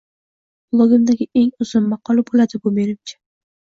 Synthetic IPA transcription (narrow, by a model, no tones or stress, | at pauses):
lˠoɡʲɪmd̪aɡʲɪe̞ŋʊzʊnːɑqʰɒlabolad̪ɪbʊmenɪmt͡ʃʰɪ̥